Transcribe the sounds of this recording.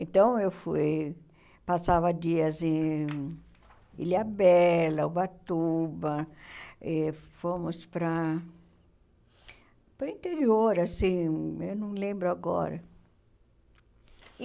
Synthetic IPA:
ẽnt̪ɐ̃w̃ewfuj | pasavɐd͡ʒiɐzẽ | ḭliabɛlɐʊbat̪ubɐ | ɛfõmʊspɾɐ | pɾɐĩnt̪eɾioɾasĩewnɐ̃w̃lẽmbɾʊaɡɔ̰ɾɐ̰

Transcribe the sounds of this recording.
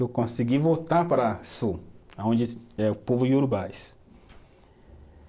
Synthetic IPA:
ewkõsiɡivowt̪aɾpaɾɐsuaõd͡ʒɪɛʊpovʊuɾbajs

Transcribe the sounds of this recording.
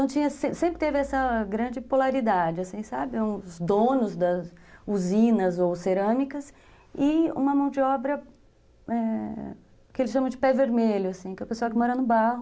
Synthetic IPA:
t̪ɐ̃w̃t͡ʃĩɲɐsẽsẽmpɾɪt̪evɪɛsɐɡɾɐ̃d͡ʒɪpolaɾid̪ad͡ʒɪasĩsabɪũzd̪õnʊzd̪ɐzuzĩnɐzowseɾɐ̃mikɐs | ɪṵ̃mɐmɐ̃w̃d͡ʒɪɔbɾɐ | ɛ | kɪelɪsʃɐ̃mɐ̃d͡ʒɪpɛveɾmeʎʊasĩkɛɐpesaɐkɪmɔɾɐnʊbaɦʊ

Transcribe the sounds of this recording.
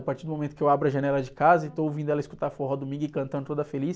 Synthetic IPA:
paɾt͡ʃiɾd̪ʊmomẽt̪ʊ̥kɪewabɾʊɐʒɐnɛlɐd͡ʒɪkazɐɪt̪oowvĩd̪ʊɛlɐɪiskut̪aɾfɔɦɐd̪umĩɡʊɪkɐ̃ɐ̃nd̪ʊt̪od̪ɐfelis

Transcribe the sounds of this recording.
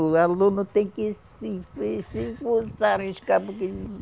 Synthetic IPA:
alũnʊt̪ẽj̃kɪsifesifusaɾẽʃkapʊke

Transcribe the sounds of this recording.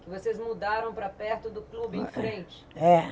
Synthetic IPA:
kɪvosezmud̪aɾɐ̃w̃pɾɐpɛɾt̪ʊd̪ʊklubɪẽj̃fɾẽnt͡ʃɪ̥ɛ

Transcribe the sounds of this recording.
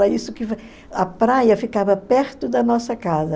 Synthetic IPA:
ɾɐisʊkɪ | ɐpɾajɐfikavɐpɛɾt̪ʊd̪ɐnɔsɐkazɐ

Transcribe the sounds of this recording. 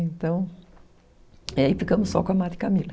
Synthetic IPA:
ẽnt̪ɐ̃w̃ | iaifikɐ̃mʊsːɔ̰kõɐmad̪ɪkamilɐ

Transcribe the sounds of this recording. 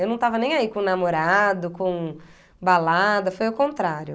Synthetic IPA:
ewnɐ̃w̃t̪avɐnẽj̃aikõnamoɾad̪ʊkõw̃ | balad̪ɐfojʊkõnt̪ɾaɾjʊ

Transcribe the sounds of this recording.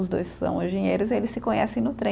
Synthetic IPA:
ʊzd̪o̰jssɐ̰̃w̃ẽʒẽɲejɾʊzielɪsːɪkõɲɛ̰sẽj̃nʊt̪ɾẽ

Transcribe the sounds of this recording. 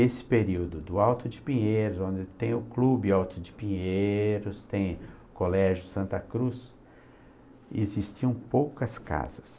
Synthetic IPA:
esɪ̥peɾiwd̪ʊd̪ʊawt̪ʊd͡ʒɪpĩɲejɾʊzõnd͡ʒɪt̪ẽj̃ʊklubɪawt̪ʊd͡ʒɪpĩɲeɾʊst̪ẽj̃ʊkolɛʒʊsɐ̃nt̪ɐkɾus | ezist͡ʃiɐ̃w̃powkɐska̰zɐs

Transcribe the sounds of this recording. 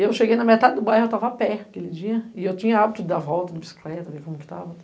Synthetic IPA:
ewʃeɡejnɐmet̪ad̪ɪd̪ʊbajhʊewt̪avɐapɛkelɪd͡ʒiɐɪewt͡ʃĩɲɐabit̪ʊd̪ɐvɔwt̪ɐd̪ʊbisi̥klɛt̪ɐvekõmʊkɪ̥t̪a̰vɐ

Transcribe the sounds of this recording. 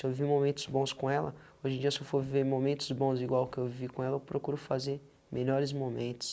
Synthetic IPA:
sɪewvimomẽnt̪ʊ̥zbõskõɛlɐ̰ | oʒẽɲd͡ʒiɐsɪewfoɾviveɾmomẽnt̪ʊ̥zbõziɡwawkɪewvivikõɛlɐewpɾokuɾʊfazeɾ | mʔeʎɔɾɪzmomẽnt̪ʊ̥s

